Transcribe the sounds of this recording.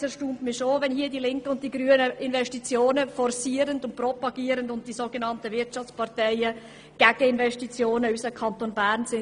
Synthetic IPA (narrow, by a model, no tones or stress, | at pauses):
ɛʃtuːntmɪʃovɛnhiːɐdilɪŋkəʊnt̚d̥iːɡɾyːənəʔɪnvɛʃtit͡sjoːnəfɔrsiːəɾəndʊnt̚prɔpɑɡ̥iːəɾəndʊnt̚d̥iːsoːɡənɑntəvɪɾtt͡ʃɑft͡spɑʁtɛɪə | ɡ̥æɡ̥əɪnvɛʃtit͡sjoːnəysəkʰɑntonbæːɾnsɪ